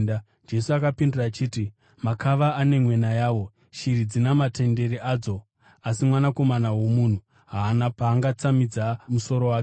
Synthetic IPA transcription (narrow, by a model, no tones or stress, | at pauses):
d͡ʒe̞suakapinduraːt͡ʃiːti | makʰaʋaːne̞mwe̞najaːʋo̞ | ʃiɾid͡zinamate̞nde̞ɾiaːd͡zo̞ | asimwanako̞manawo̞muːn̤u | ɦaːnapaːŋɡat͡samid͡zamuso̞ɾo̞waːke